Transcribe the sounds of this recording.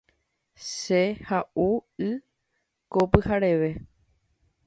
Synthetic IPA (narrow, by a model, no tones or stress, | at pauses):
ʃehaʔuɨ | kopɨhaɾe̞ʋe̞